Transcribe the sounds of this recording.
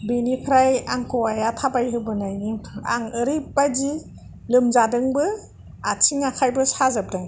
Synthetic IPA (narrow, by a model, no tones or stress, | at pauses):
binipʰɾajaŋkɔwajatʰabajɦɯbɯnajnia̰ŋɯɾip̚bazi | lɯmzadɯŋbɯ | atʰiŋakʰajbɯsazab̚daŋ